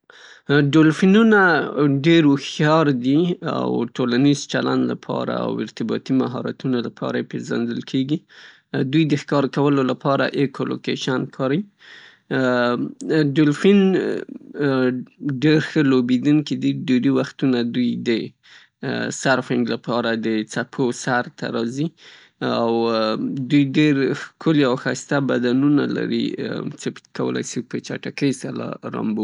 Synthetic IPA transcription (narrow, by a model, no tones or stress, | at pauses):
ɖolfinunaɖeɾʊxjɑɾd̪ia̰wʈolanizt͡ʃaland̪la̰pʰɑ̰ɾa̰a̰wɪ̰ɾt̪ɪbɑ̰t̪imaɦɑ̰ɾa̰t̪unolapʰɑ̰ɾaepezand̪əlkʰeɡi | d̪ujd̪əxkɑɾkawəlolapɑɾa̰ʔekolo̰keʃankʰɑɾij | ɖolfin | ɖeɾxəlobed̪uŋkid̪iɖeɾiwaxt̪unad̪ujd̪ə | saɾfɪŋɡlapɑɾad̪ət͡sapʰosaɾt̪ʰa̰ɾɑzi | awd̪ujɖeɾkʰʊliawxajst̪abad̪anuna̰la̰ɾḭt͡səkawə̰la̰jsipət͡ʃa̰ʈakəjsala̰ɾa̰mbo